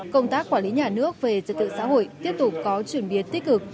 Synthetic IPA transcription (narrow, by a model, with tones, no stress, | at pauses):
kə˧wŋ͡mt̪aː˦˥k̚ːwaː˧˩li˨˦ɲaː˨˩nɨ˦˥ək̚ve˨˩t͡ɕə̰˨˩t̚t̪ɨ̰˧˨sa̰˧˥ho̰˧˨jt̪i˦˥əp̚t̪ʊ˨˩p̚kɔ˨˦t͡ɕwi˧˩ənɓi˨˦ənt̪i˦˥k̟̚kɨ˨˩k̚